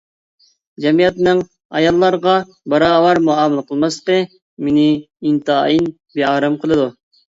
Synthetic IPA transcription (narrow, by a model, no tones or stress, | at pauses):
d͡ʒɛmijɛt̪nɨŋ | ɑjɑlˠːɑɾʁɑ | bɑɾɑːwɑɾmuɑːməlˠəqʰəlˠmɑslə̥qə | menɪ | int̪ɑin | beɑːɾɨmqʰəlˠɨd̪u